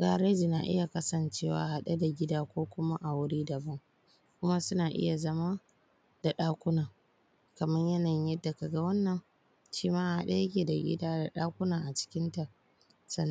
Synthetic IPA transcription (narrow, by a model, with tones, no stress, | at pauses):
ɡaː˨ɾe˦d͡ʒi˨na̰˨ʔɪ̰˦ja˨kɐ˦sɐ˨nt͡ʃeː˦wa̰ː˨ha˦ɗa˦da˨ɡʲɪ˦daː˦kʷoː˦kʷʊ˦ma˦ʔa˨wʊ˦ɾiː˦dɐ˨bɐ˦ŋ | kʷʊ˦ma˦sʊ˦naː˨ʔɪ̰˦ja˨zɐ˦ma˦ | d̥a˨ɗaː˦kʷʊ˦naː˨ | kɐ˨mɐ˦ɲjɐ˦na˨jɪ˦jɐ˦dːa˨ka˨ɡa˦wɐ˦nːɐ˨ŋ | ʃiː˦maː˦ʔa˨ha̰˦ɗa̰˦jɐ˦kʲeː˨da˨ɡʲɪ̰˦daː˦da˨ɗaː˦kʷʊ˦naː˨ʔa˨t͡ʃɪ̥˦kʲɪ˦nta˨ | sɐ˦n˦